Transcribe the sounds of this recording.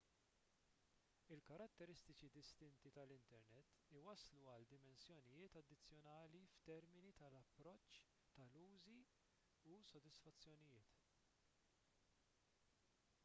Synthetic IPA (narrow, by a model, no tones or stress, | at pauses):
ɪlkɐɾɐt̪ːɛɾɪst̪ɪt͡ʃid̪ɪst̪ɪnt̪it̪ɐlɪnt̪ɛɾnɛt̪ːɪwɐsluɐld̪ɪmɛnsjɔnɪjɪːt̪ɐd̪ːɪt͡sːjɔnɐːlift̪ɛɾmɪnit̪ɐlɐpːɾɔt͡ʃː | t̪ɐluːzi | usɔd̪ɪsfɐt͡sːjɔnɪjɪːt̪